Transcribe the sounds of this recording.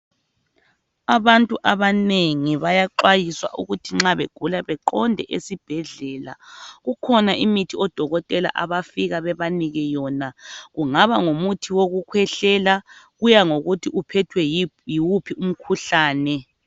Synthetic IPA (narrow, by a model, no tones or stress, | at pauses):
aβantʼuʔaβaneŋiβajaǃwajiswa̰ʔuɣutʰiŋ͡ǁaβeɡ̥ʱulaβɛǃɔndʱɛ̰ʔesib̥ʱɛɮɛːla̰ɣukʰɔnaʔimitʰiɔd̥ʱɔɣɔtʼɛla̰ʔa̰βafiɣaβɛβaniɣɛjɔnaɣuŋaβaŋomutʰiwoɣukʰwɛɬɛlaɣujaŋoɣutʰiʔupʰɛtʰwɛjiwupʰium̩kʰuɬaːnɛ